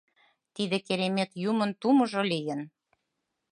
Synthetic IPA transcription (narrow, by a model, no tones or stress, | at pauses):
t̪id̪ĕkeɾemek̪jumə̆nt̪umɤ̆ʒolijə̆n